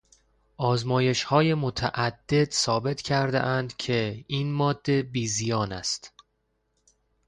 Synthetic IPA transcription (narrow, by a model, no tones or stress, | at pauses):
ʔɒːzmɒːje̞ʃhɒːje̞mot̪ʰæ̰ʔæd̪̥ːe̞d̪̥sɒːbe̞t̪ʰcʰæɾd̪ḛʔænd̪cʰe̞iːnmɒːd̪̥ːe̞biːzijɒːnæ̰st̪